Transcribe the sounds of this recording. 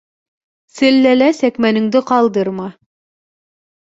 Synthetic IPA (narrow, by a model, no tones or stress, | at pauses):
sɘ̆lːælæsækmænɘ̆ŋd̪ɘqɑlˠd̪ɤɾmɑ